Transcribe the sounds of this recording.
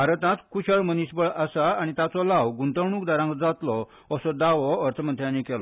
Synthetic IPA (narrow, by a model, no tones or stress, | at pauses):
bʱaɾt̪ãt̪kuɕəɭmənisbəɭəsaaɽ̃it̪jat͡sɔlaʋɡunt̪əɾɳ̃uːkd̪aɾãŋkd͡zat̪lɔ | əsɔd̪aʋɔəɾt̪ʰəmənt̪ʰjãnikɛlɔ